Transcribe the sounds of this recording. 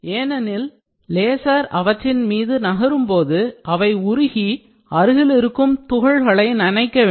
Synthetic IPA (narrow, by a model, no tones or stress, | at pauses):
eːnɐnɪl | leːsaːɾɐʋɐʈːɪnmiːðɯnɐɣɐɾɯmpoːðɯʔɐʋɐɪʊɾɪɣi | ɐɾɯɣɪlɪɾɯkːɯmt̪ʊɣɐɭɣɐɭɐɪnɐnɐɪkːɐʋeː